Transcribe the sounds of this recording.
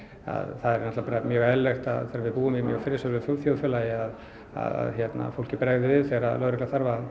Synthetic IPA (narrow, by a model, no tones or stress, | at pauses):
a̰ðθaðɛɾnat̪lapaɾamjœːɣɛlːext̪a̰ðθɛːɾavɪðpuːʏmimjœ̰ːɣfɪɾːɪsœlvʏfjowlfjowðfʏlajɪað | a̰ða̰ðçjɛt̪na̰fowl̥cɪpɾajɣðɪvɪðθɛːɾalœːðɾɛklaθaɾvað